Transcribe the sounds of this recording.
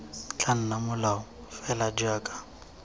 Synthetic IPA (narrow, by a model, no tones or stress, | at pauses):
t͡ɬʰʼan̩namʊlaʊfɛlad͡ʒaːkʼḁ